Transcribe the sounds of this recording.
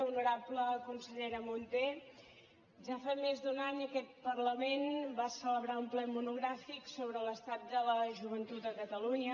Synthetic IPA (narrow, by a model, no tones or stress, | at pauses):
unuɾapləkunsəʎɛɾəmunt̪e | ʒafamezd̪unaɲəkɛt̪̚pərləmenbasələβɾaumplɛmunuɣɾafiksoβɾələst̪at̪̚d̪ələʒuβənt̪ut̪əkət̪əluɲə